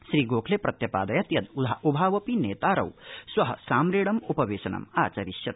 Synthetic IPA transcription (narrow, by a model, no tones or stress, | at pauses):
ʃɾiːɡoːkʰlepɾɐt̪jɐpa̰ːd̪ɐjɐt̪jɐd̪ud̪ʱaʔubʱaːʋɐpineːt̪aːɾɐ̰wswɐɦɐsaːmɾeːɽɐmupɐʋeːsɐnɐ̰ma̰ːt͡ʃɐɾiʃjɐt̪̚